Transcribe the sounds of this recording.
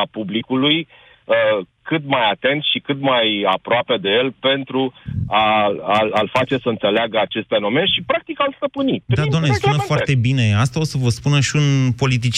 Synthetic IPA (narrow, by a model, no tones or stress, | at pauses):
apublikuluj | kɨt̪majat̪e̞nt̪ʃikɨt̪majapɾoape̞d̪e̞je̞lpe̞nt̪ɾuaalalfat͡ʃe̞səɨnt̪se̞leaɡəat͡ʃe̞st̪fe̞no̞me̞nʃipɾak̚t̪ikalst̪əpɨnid̪ad̪oamnesp̪unəfoart̪e̞bine̞ast̪ao̞səvəspunəʃiunpo̞lit̪̬it͡ʃ